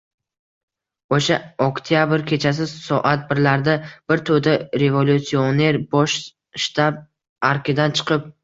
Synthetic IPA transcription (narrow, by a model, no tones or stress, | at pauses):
oʃaokt̪ʰijabɪɾkʲʰe̞t͡ʃʰas̬ɪsɒʔat̪̚bɪɾlaɾd̪ab̥ɪɾt̪ʰod̪aɾe̞volʲut̪sione̞ɾbɒʃ | ʃt̪ab̚ | aɾkʲɪd̪ant͡ʃʰɨ̥qʰɨp̚